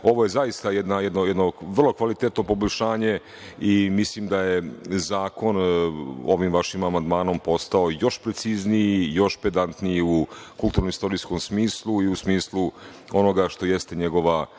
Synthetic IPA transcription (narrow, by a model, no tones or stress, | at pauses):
o̞ʋo̞je̞zaist̪ajed̪najɛd̪no̞jɛd̪no̞ʋr̩lˠo̞kʋalit̪et̪no̞po̞boʎʲʃaːɲe̞ | imislimd̪ajezaːko̞n | oʋimʋaʃimamand̪maːno̞mpo̞st̪ao̞jo̞ʃpɾet̪sizniijo̞ʃped̪ant̪nijiukulˠt̪uːɾnomist̪o̞ɾiːsko̞msmiːslˠuiusmiːslˠu | o̞no̞ɡaʃt̪o̞jest̪eɲeɡo̞ʋa